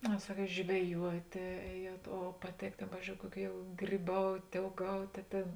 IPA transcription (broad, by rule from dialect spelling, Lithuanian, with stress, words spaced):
ɐ ˈsɑːˌkʲiɛt ʒʲʋʲɛˈjuɔtʲeː ˈɛːˌjuɔt oː pɐˈtʲeːk ˈtʲeːn ˈpɑːʋʲiːzʲd͡ʒʲoːʊ ˈkuɔˌkʲuː jɛʊ ɡrʲiːˈbɐʊtʲ oːʊˈɡɐʊtʲ ɐ ˈtʲeːn